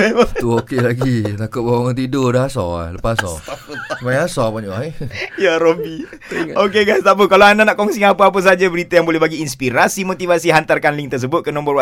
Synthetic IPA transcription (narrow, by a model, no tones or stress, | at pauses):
t̪uokelaɡit̪akʊt̪̚bawaŋaŋt̪idodaasɔ̰a̰ləpaasɔ̰smajasɔpaɲuaejaɾobi | okeɡajst̪aʔpəkalaandanaʔkɔŋsiŋapəap̬əs̬ad͡ʒabəɾit̪ajaŋbolɛhbaɡiːnspiɾasimot̪ivasiɦant̪arkanliŋt̪ərs̬əbʊt̪̚kənɔ̃mbərwa